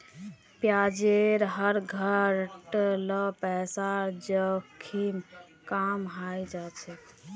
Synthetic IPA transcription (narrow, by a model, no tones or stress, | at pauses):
pjad͡ʒeɾɦəɾɡʱəɾʈləpɛsad͡ʒəkʰim | kamɦajd͡ʒat͡ʃʰɛ